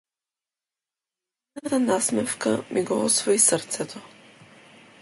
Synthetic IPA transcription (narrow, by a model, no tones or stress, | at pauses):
nat̪anasmɛfkamʔiɡɔɔsvɔisəɾt̪sɛt̪ʰɔ